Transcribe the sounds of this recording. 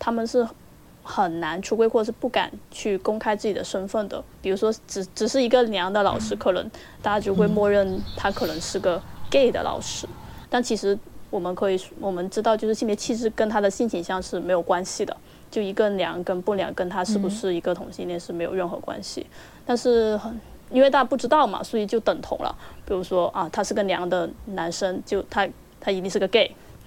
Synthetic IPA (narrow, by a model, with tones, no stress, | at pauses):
t̪ʰa˥mə˨nʂɻ̩˥˩ | xə˨˩nna˧˥nʈ͡ʂʰu˧˥kwe˥ɪxwɔ˥˩ʈ͡ʂə˨˩ʂ̩˥˩pu˥˩ka̰˨˩nt͡ɕʰy˥˩kʊ˥ŋkʰa˥ɪt͡sɹ̩˥˩t͡ɕi˨˩d̪ə˦ʂə˥nfə˥˩nd̪ə̰˩pi˨˩ɻu˧˥ʂwɔ˥ʈ͡ʂ̩˧˩ʈ͡ʂɻ̩˨˩ʂɻ̩˥˩i˧˥ɡə˧ljɑ˧˥ŋd̪ə˧lɑ̰˨˩ʊʂɻ̩˥kʰɤ˥˩lə̰˧˥n | t̪a˥˧˩t͡ɕa˥t͡ɕjo˥˧ʊxwe˥˧ɪmwɔ˥˧ɻə˥˩nt̪ʰa˥kʰɤ˨˩nɤ˧˥ŋʂɻ̩˥˩ɡə˧ke˥˩ɪd̪ə̰˩lʔɑ̰˨˩ʊʂɻ̩˥t̪a˥˩nt͡ɕʰi˧˥ʂɻ̩˧˥wɔ˨˩mə˦nkʰɤ˧˥i˨˩wɔ˨˩mə˦nʈ͡ʂɻ̩˥t̪ɑ˥˧ʊt͡ɕjʊʂɻ̩˥˩i˥˧mpjɛ˥t͡ɕʰi˥˧ʈ͡ʂɻ̩˥˩kə˥nt̪ʰa˥d̪ə˨ɕi˥˩nt͡ɕʰi˨˩ŋɕjɑ˥˧ŋʂɻ̩˥˩me˧˥ɪjo˨˩ʊkwa˥nɕi˨˩d̪ə̰˩ | t͡ɕjo˥˩ʊi˧˥ɡə˧ljɑ̰˧˥ŋkə˥npu˥˩ljɑ̰˧˥ŋkə˥nt̪ʰa˥ʂɻ̩˥˩bu˧˩ʂɻ̩˥˩i˧˥ɡə˧t̪ʰʊ˨˥ŋɕi˥˧nljɛ˥˧nʂɻ̩˥˩me˧˥ɪjo˨˩ʊɻə˥˩nxɤ̰˧˥kwa̰˥nɕḭ˨ | t̪a˥˧nʂɻ̩˥˩xə˨˩n | i˥nwe˥˧ɪt̪a˥˩t͡ɕpu˥˩ʈ͡ʂɻ̩˥t̪ɑ˥˩ʊmɐ̰˩swɔ˧˥i˨˩t͡ɕjo˥˩ʊt̪ə˨˩ŋt̪ʰʊ̰˧˥ŋlə̰˧pi˨˩ɻu˧˥ʂwɔ˥ʔɐ˧t̪ʰa˥ʂɻ̩˥˩ɡə˧˩ljɑ̰˧˥ŋd̪ə˧na˧˥nʂə˥ŋt͡ɕjo˥˩ʊt̪ʰa˥ | t̪ʰa˥i˧˥i˥˧ʂɻ̩˥˧˩ɡə˧ke˥˩ɪ